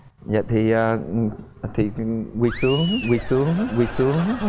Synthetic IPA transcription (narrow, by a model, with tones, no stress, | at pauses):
ja̰ː˨t̪ʰi˨˩əː˨˩˨ | t̪ʰi˨˩kwi˨˧˩su˨˦əŋɣi˨˧˩su˨˦əŋɣwi˧˩su˨˦əŋ